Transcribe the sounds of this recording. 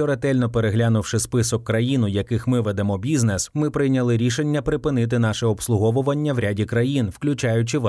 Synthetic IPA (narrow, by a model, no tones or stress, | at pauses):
ɔɾet̪ɛlʲnɔpeɾeɦlʲanʊwʂɪspɪsɔkːɾɐjinʊjɐkɪxmɪʋɛd̪emɔbʲiznɛsmɪpɾɪjnʲɐlˠɪɾʲiʃe̞nʲːɐpɾɪpɪnɪt̪̬ɪn̪ɑʃɛɔpslˠʊɦɔʋʊʋɐnʲːɐwɾʲadʲikɾɐjinwklʲʊt͡ʃajʊt͡ʃɪʋ